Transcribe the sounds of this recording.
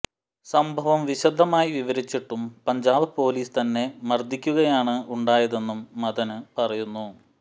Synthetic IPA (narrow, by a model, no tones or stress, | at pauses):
sɐmbʱɐʋɐmʋiɕɐd̪ʱːɐmaːjiʋiʋɐɾit͡ɕːiʈːumpɐɲd͡ʑaːbɨpo̞ːliːst̪ɐnːe̞mɐrd̪ʱikʲːuɣɐjaːɳɨuɳɖaːjɐðe̞nːumːɐðɐnɨpɐrɐjunːu